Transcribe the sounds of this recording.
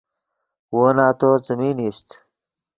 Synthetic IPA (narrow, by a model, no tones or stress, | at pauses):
woːnaːt̪ot͡səmiːnist̪